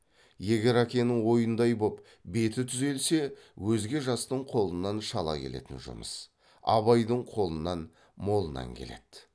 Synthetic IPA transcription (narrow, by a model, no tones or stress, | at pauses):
je̞ɡʲe̞ɾækʲe̞nɪŋwo̞jənd̪ɑjbo̞p | be̞t̪ɪt̪ʰʏze̞lse̞wɵzɡʲe̞ʒɑst̪əɴqʰo̞lˠənːɑnʃɑlˠɑ̰kʲʰe̞̰le̞̰t̪ɪnʒʊ̰mə̰s | ɑ̰βɑjd̪əɴqʰo̞lˠənɑn | mo̞lˠənɑ̰ŋkʲʰe̞̰le̞̰d̪̥